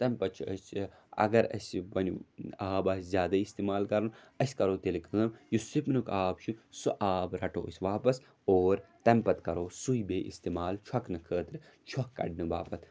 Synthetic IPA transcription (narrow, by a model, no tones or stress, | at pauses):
t̪ɐmpɐt͡ʃʰə | ɐ̰ɡɐɾɐ̰sʲbɐnʲuaːbaːsʲzʲjaːd̪ɐist̪eːmaːlkɐɾɐn | ɐsʲkɐɾoːt̪elikəːmjusipnukaːbt͡ʃʰusuʔaːbɾɐʈo̰ːsʲʋaːpɐs | oːɾt̪ɐmpɐt̪kɐɾoːsuibeːʔḭst̪eːmaːlt͡ʃʰɐknɨkʰəːt̪ɾi | t͡ʃʰɔkːɐ̰ɖnɨʋaːpɐt̪ʰ